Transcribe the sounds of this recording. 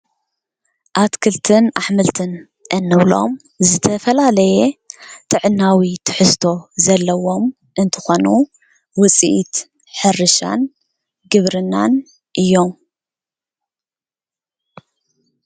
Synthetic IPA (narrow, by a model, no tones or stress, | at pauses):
ʔat̪kʰɨlt̪ʰɨnaħmɨlt̪ʰɨn | ʔɨnːɨβlo̞̰m | zɨt̪ʰɐfɐlalɐjet̪ʰɨʕɨnːawit̪ʰɨ̥ħɨst̪ʰo̞zɐlːɐwo̞m | ʔɨnt̪ʰɨ̥xo̞nu | wɨt͡sʼḭʔit̪ | ħɨrːɨʃa̰n | ɡɨβɾɨnːan | ʔɨjːo̞m